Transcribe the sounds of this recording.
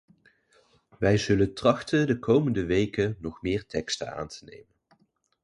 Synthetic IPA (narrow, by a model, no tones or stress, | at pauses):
ʋɛjzɵləntrɑχtəndəkowməndəʋejkənɔχmɪːɹtɛkstə̰na̰ːntʰə̥nḛjmən